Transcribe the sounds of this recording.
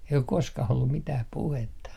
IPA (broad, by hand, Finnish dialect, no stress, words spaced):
ei ok koskɑh olːum mitæh puhetːɑ